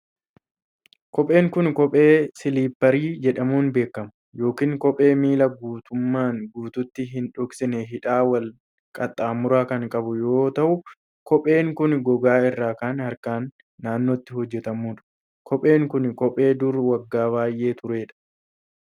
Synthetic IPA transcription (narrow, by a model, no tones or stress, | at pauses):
kɔpʼe̞ːŋkʊnkɔpʼeːsɪliːpːɐɾiːd͡ʒɛᶑɐmuːnbe̞ːkːɐmʊ̥ | jo̞ːkiːŋkɔpʼe̞ːmiːlɐɡuːt̪ʊmːaːŋɡuːt̪ʊt̪ːɪɦɪnᶑɔksɪnɛɦɪᶑaːwɐl | kʼɐt̪ʼːaːmʊɾaːkɐŋkʼɐbʊjo̞ːt̪ɐʔʊ | kɔpʼe̞ːŋkʊnɡɔɡaːɪrːaːkaːnhɐɾkaːnː | aːnːoːt̪ːɪhɔd͡ʒːɛt̪ɐmuːᶑɐ̥ | kʰɔpʼe̞ːŋkʊnkɔpʼe̞ːd̪ʊɾwɐɡːaːβaːjʔe̞ːt̪ʊɾe̞ːᶑɐ̥